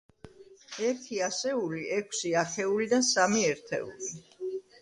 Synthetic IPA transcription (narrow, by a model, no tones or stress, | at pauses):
ɛɾt̪ʰiasɛuliʔɛkʰsiaχʰɛulid̪asamiɛɾt̪ʰɛ̰ṵli